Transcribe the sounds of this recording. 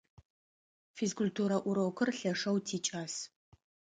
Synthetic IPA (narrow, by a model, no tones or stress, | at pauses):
fiskʰʊltʰuːɾɐʔʷʊɾoːkʷʰɨrɬɐʂɐwtʰiːt͡ʃʼaːs